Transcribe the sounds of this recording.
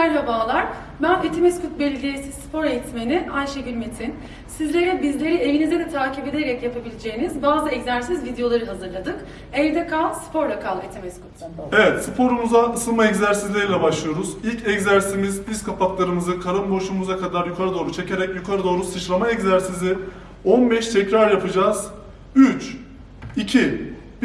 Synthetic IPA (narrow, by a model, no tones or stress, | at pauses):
æɾɦabaːlˠaɾ̥ | bænet̪ʰimɛskut̪̚belʲilʲejisispʰo̞ɾejit̪meniʔajʃebilʲmet̪ʰin | sizlʲe̞ɾɛbizlʲe̞ɾie̞vinizɛd̪ɛt̪ʰaːcibe̞d̪eɾɛcjapʰabilʲed͡ʒe̞jːinizbaːzɯɛczæɾsizvid̪ejo̞lˠaɾɯɦazɯɾlˠad̪ɯk | ɛld̪ɛkʰaspʰo̞ɾlakʰalˠbet̪ʰemeiskʰut̪anevɛt̪sɯpʰo̞ɾumuzaɯsɯlˠmaɛczæɾsizlʲeɾilʲɛbaʃlˠɯjo̞ɾuzilʲcʰɛczæɾsimiziskʰapʰaklˠaɾɯmɯzɯkʰaɾambo̞ʃumuzakʰad̪aɾjukʰaɾad̪o̞ːɾut͡ʃʰe̞cʰe̞ɾɛcjukʰaɾad̪o̞ːɾusɯt͡ʃlˠamaɛczæɾsizɪ | onbɛʃt̪ʰɛcɾaɾjapʰɯd͡ʒaːz̥ | yt͡ʃ | icʰi